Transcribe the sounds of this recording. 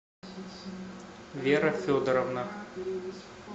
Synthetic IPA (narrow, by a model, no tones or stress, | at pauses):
vʲeɾɐfʲod̪əɾɔvna